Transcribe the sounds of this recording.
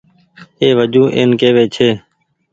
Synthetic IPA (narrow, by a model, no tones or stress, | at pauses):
eːʋəd͡ʒũːʔḛːnkeːʋeːt͡ʃʰeː